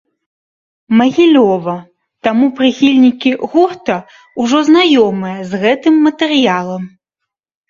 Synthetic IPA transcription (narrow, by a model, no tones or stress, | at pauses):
mɐɣʲilʲɔvɐ | t̪amupɾɨxʲilʲnʲikʲiɣurt̪ɐ | uʐɔznajɔmɨjɐzɣɛt̪ɨmːɐt̪ɛɾɨjalˠɐm